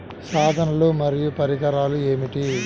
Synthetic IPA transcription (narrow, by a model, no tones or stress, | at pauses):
saːd̪ʱɐnɐlumɐɾijupɐɾiɡɐɾaːlueːmiʈi